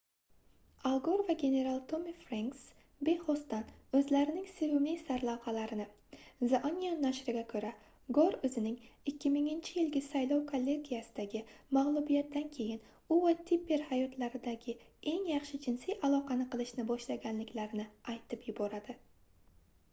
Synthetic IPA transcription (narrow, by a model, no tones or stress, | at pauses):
alˠɡoɾvaɡʲe̞ne̞ɾalˠt̪ʰomifɾaŋks | be̞χost̪anɵzlaɾɪnɪŋseɾʊmijsaɾlˠaqɑlaɾɪnɪ | zaʔanʲijanːaʃɾɪɡʲakʰɵɾa | ɡoɾɵzɪnɪŋɪkʲʰːɪmɪŋɪnt͡ʃʰɪjɪlɡʲɪsajlˠɒwkʰolʲːe̞ɡʲijasɪd̪̥aɡʲɪmaʁlˠʊbijat̪̚d̪ankʲʰe̞jɪn | ʊvat̪ʰipːe̞ɾhajɒt̪laɾɪd̪aɡʲɪe̞ŋjɑχʃɪd͡ʒɪnsɪjʔalˠɒqʰɑnɪqɨlˠɪʃnɪbɒʃlaɡʲanlɪkʲlaɾɪnɪajt̪ʰɪpjʊbɒɾad̪ɪ